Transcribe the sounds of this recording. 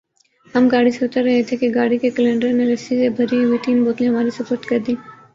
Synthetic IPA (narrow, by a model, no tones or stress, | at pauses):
ɦəmɡaːɽiseʊt̪əɾːɐɦet̪ʰekeɡaːɽikekəlẽːɳɖəɾneɾɐsisebʱɐɾiɦʊit̪iːnboːt̪leɦɐʋaːɾisɐpʊːɾt̪kɐɾd̪iː